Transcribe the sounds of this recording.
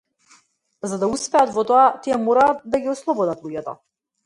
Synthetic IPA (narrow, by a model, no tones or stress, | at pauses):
zad̪auspɛat̪vɔt̪ɔat̪iɛmɔɾaːt̪d̪aɡiɔslˠɔbɔd̪at̪lˠuɟɛt̪ɔ